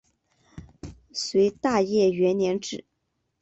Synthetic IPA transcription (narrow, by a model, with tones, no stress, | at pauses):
swe˧˥ɪt̪a˥˧jɛ˥˩ɥɛ˧˥nnjɛ˧˥nʈ͡ʂɻ̩˨˩˦